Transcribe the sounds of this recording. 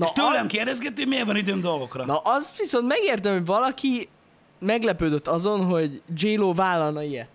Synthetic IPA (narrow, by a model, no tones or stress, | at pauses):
nʃt̪ølɛmkeːrdɛzɡɛt̪ːymevɒnid̪øːmd̪o̞lɡo̞krɒnɒʔɒst̪ʋiso̞nt̪mɛɡeːrt̪̬ɛmho̞ɟvɒlɒki | mɛɡlɛpøːd̪øt̪ːɒzo̞nɦo̞ɟd͡ʒeːloːvaːlːɒlnɒijɛt̪ː